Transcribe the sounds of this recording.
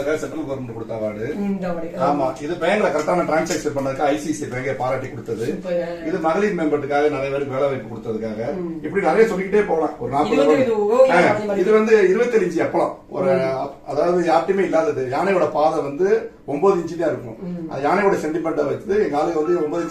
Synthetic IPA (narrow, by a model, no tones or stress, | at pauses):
ɯkːaːɣɐsɛʈːɐmɐɡoːɾmɐɳɖɯkɔɽɯt̪ːaːʋaːɽɯ | aːmaːʔɪðɯpɛjɐŋɡɐɭɐkɐɾt̪ːaːmɐʈɾaːnsɐːksɐnpɐɳːɐðɯkːaɐɐɪsisipɛjɐŋɡɐlɐpaːɾaːʈːikːɔɽɯt̪ːɐðɯɪðɯmɐɣɐlimɛmbɐɾʈ̪ːɯkːaːɣɐnɐɾɐjɐpeːɾɯmʋeːɭɛʋɐɪpːɯkɔɽɯt̪ːɐðɯkːaːɣɐɪpːɐɽinɐɾɐjɐsɔlːɪkːɪʈ̬ːeːpoːɣlã̰ːɔɾɯnaːpɯlɐaːaɪðɯʋɐnd̪ɯɪɾɯʋɐt̪ːɪlɪɲd͡ʒiɐpːɐɭɐ̰̃ː | ɔ̰ɾɯɐɐðaːʋɐðɯaːʈːɪmeːɪlːaːðɐðɯjaːnɐʋɔɽɐpaːðɐʋɐnd̪ɯ | ɔmboːðɯɪɲd͡ʒɪt̪ːaːɪɾɯkːʊ̰̃ɐðɐjaːnɛʋɔɽɐsɛɳʈɪmɐnʈɐʋɐɪt̪ːɐðɯɛŋɡɐaːlɯɣɐʋɐnd̪ɯɔmboːðɪ